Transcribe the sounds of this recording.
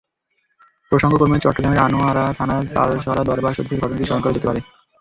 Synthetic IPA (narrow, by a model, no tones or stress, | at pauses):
pɾoʃoŋɡokoɾmet͡ɕɔʈːoɡɾameɾanoaɾat̪ʰanat̪a̰ɾʃɔɾad̪ɔɾbaɾʃod̪ʱːeɾɡɔɾonod̪iʃɔɦoŋkaɾed͡ʑet̪epaɾe